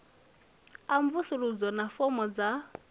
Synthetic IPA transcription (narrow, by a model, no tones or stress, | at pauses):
aɱvusuɺud͡zɔnafɔmɔd͡za